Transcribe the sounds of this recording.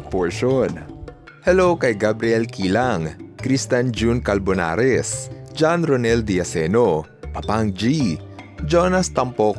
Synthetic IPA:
poɹʃon | hɛlowkɐjɡabɾiɛlkiːlaŋkɾist̪and͡ʒunkɐlbona̰ɾɛsd͡ʒanɾonɛld̪iɐsɛno | pɐpaŋd͡ʒi | d͡ʒonɐst̪ɐmpok

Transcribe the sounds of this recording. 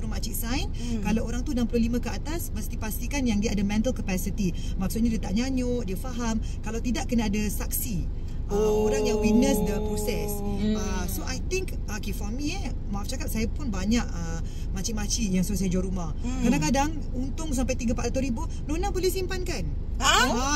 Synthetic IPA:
uɾumat͡ʃiʔsajn | kalawoɾaŋt̪udaŋpəlulimãkəat̪asməst̪ipast̪ikanjaŋdiəadəmɛ̃nt̪əlkəpɛsit̪i | maʔksut̪ɲadiət̪aʔɲaɲʊʔdiəfaɦam | kalawt̪idaʔkːənəadasak̚si | ʔəoɾaŋjaŋwit̪̚nəsdəpɾosɛsə | soʔajt̪ɪŋk | akefɔmiə | maaft͡ʃakap̚sajapʊnbaɲaʔə | mat͡ʃimat͡ʃijaŋsus̬ad͡ʒɔɾumah | kadaŋkadaŋ | unt̪ʊŋs̬ampajt̪iɡəpaʔat̪uɾibʊ | nonabolɛhsimpankan | a

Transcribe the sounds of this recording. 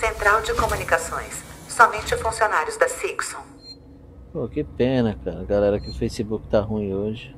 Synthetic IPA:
sẽnt̪ɾawd͡ʒɪkomũnikasõj̃sːɔmẽnt͡ʃɪfũsionaɾjʊzd̪ɐsiksõ | pokɪpẽnɐkaɾɐɡalɛɾɐkɪʊfejsibukɪ̥t̪aɦũĩoʒɪ

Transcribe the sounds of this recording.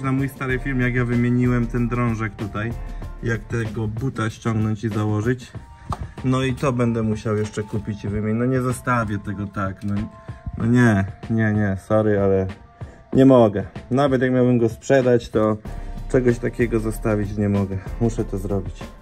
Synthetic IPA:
namujst̪aɾɨfʲiɾmʲjakjavɘmʲjeɲiwɛmt̪ɛnd̪ɾɔ̃w̃ʐɛkt̪ut̪ajjakt̪ɛɡɔbut̪aɕt͡ɕɔŋɡnɔɲt͡ɕizawɔʐɘt͡ɕ | nɔit̪ɔbɛnd̪ɛmuɕawjɛʂt͡ʂɛkupʲit͡ɕivɘmʲɛnɔɲɛzast̪avʲjɛt̪ɛɡɔt̪aknɔnɔ̰ɲɛɲɛɲɛsɔɾɘalɛ | ɲɛmɔɡɛnavɛt̪jak̚mʲjawbɘmɡɔspʂɛd̪at͡ɕt̪ɔt͡ʂɛɡɔɕt̪akʲɛɡɔzɔst̪avʲit͡ɕɲɛmɔɡɛmuʂɛt̪ɔzɾɔbʲit͡ɕ

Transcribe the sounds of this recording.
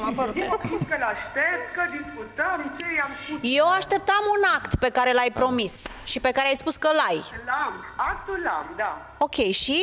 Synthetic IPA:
apəɾuut̪kəlaʃt̪ep̚t̪kəd̪iskut̪əmt͡ʃejamjewaʃt̪e̞p̚t̪amunakt̪pe̞kaɾe̞lajpɾo̞misʃipe̞kaɾeajspuskəlajlam | ak̚t̪ula̰md̪a | o̞kʲe̞jʃi

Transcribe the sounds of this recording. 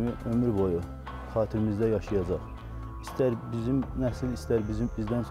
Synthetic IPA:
miʔømyɾboju | χɑːt̪ʰiɾimizd̪æjɑʃɯjɑd͡ʒɑχ | ist̪æɾbizimnæsilist̪æɾbizibizd̪æns

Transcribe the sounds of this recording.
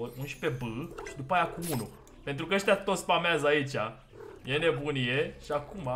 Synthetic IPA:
ounʃi̥pe̞bɨʃid̪upajakuunu | pe̞nt̪ɾukəəʃt̪jat̪o̞t̪sʲpameazəait͡ʃʲa | jene̞bunijeʃiakuma

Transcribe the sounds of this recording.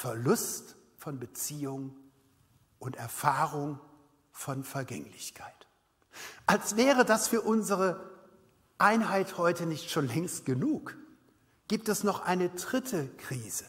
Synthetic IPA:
fɛɐlʊstfɔnbət͡siːʊŋ | ʔʊntɛɐfaːʁʊŋ | fɔnfɛɐɡɛ̰ŋlɪçkʰaɪt | ʔalsv̥ɛːʁədasfyːɐʔʊnzəʁə | ʔaɪnɦaɪthɔʏtənɪçtʃoːnlɛŋst̚ɡ̥ənuːk | ɡ̥iːp̚tɛsnɔχʔa̰ɪnədʁɪtʰəkʁ̥iːzə

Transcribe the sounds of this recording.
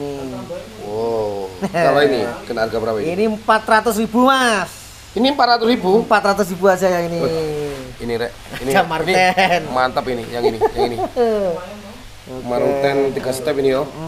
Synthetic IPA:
niwo | alainikənarɡabəɾapainimpat̪rat̪ʊsribumas | inimpat̪rat̪ʊsɾibuəmpat̪ɾat̪ʊs̬ɾibuad͡ʒajaini | iniɾɛʔ | ainiamart̪ɛnmant̪əpinijaŋinijaŋini | okmaɾt̪ɛnt̪iɡ̥asət̪ɛpinijo

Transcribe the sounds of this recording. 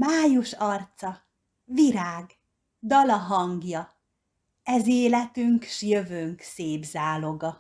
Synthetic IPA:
maːjuʃɒrt̪sɒ | viɾaːɡ | d̪ɒlɒɦɒŋɡjɒ | ɛzeːlɛt̪yŋkʃjøvøŋkseːbzaːlo̞ɡɒ

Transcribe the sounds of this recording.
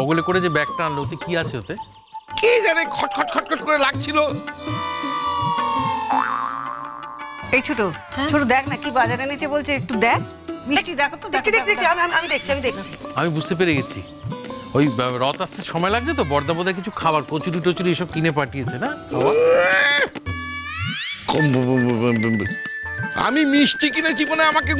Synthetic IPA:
ɔɡulekoɾed͡ʑebɛk̚ʈaanlot̪ikiat͡ɕʰeot̪e | ked͡ʑanekʰɔʈkʰɔʈkʰɔʈ̚kʰɔʈ̚koɾelaɡ̚t͡ɕʰilo | ejt͡ɕʰoʈo | t͡ʃʰoʈod̪ɛkʰnakibad͡ʑaɾenit͡ɕʰebolt͡ɕʰeek̚ʈud̪ɛk | bɾiʃʈid̪ɛkʰot̪ːod̪ekt͡ɕʰid̪eid̪ekt͡ɕʰiamiamiamid̪ek̚ʰt͡ɕʰiamid̪ek̚ʰt͡ɕʰi̥amibud͡ʑʱt̪epeɾeɡet͡ɕʰḭ | ojɾɔt̪ast̪ʰeʃɔmɔelaɡ̚d͡ʑʰet̪obɔɾd̪abod̪aɾkit͡ɕʰukʰabaɾkot͡ɕuɾiʈot͡ɕuɾieʃɔb̚kinepaʈijet͡ɕʰenakʰa̰a | kɔm | a̰mimiʃʈikinet͡ɕimoneamake

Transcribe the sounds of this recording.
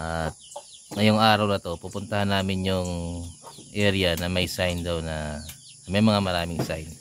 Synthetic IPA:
ʔat̪̚ŋɐjoŋʔaːɾɐwnɐt̪o̞pupʊnt̪ɐhanːaːmɪnjʊŋ | ʔɛɾɪjɐnɐmɐjsajnd̪ɐwnɐ | mɐjmɐŋamɐɾaːmɪŋsajn

